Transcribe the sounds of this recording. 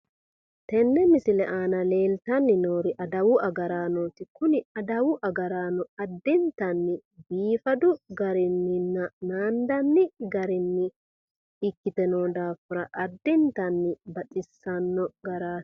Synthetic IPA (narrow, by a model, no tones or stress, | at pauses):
t̪ɛnːɛmɪsɪlɛʔaːnɐle̞ːlt̪ɐnːɪnoːɾɪʔɐd̪ɐwʊɐɡɐɾaːnoːt̪ɪkʊnɪɐd̪ɐwʊʔɐɡɐɾaːnɔɐd̪ːɪnt̪ɐnːɪbiːfɐd̪ʊɡɐɾɪnːɪnːɐnaːnd̪ɐnːɪɡɐɾɪnːɪ | ɪkːɪt̪ɛnoːd̪aːfʊɾɐʔɐd̪ːɪnt̪ɐnːɪbɐtʼɪsːɐnːɔɡɐɾḁː